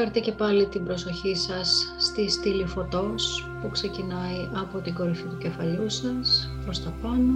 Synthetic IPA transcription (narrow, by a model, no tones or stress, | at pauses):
ɐɾt̪ice̞pɐlit̪imbɾo̞so̞çisɐsːt̪ist̪ilifo̞t̪o̞spukse̞cinɐiʔɐpo̞t̪iɡo̞ɾifit̪uce̞fɐʎusɐs | pɾost̪ɐpɐno